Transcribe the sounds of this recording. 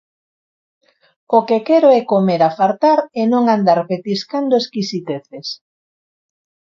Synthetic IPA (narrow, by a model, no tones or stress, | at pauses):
okekɛɾoɛkomeɾafaɾt̪aɾɛnõŋand̪aɾpet̪iskand̪oeskisit̪eθes